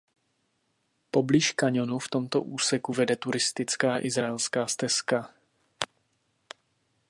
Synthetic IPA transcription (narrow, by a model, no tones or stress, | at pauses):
po̞bliʃkaɲo̞nuft̪o̞mt̪o̞̰ʔuːsɛkuvɛdɛt̪uɾɪst̪ɪt͡skaːʔɪzɾaɛlskaːst̪ɛska